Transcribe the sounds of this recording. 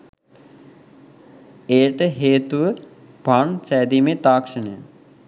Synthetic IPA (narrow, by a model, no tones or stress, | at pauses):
eːʈəɦeːt̪uʋə | paɳsɛːd̪imet̪aːkʂənə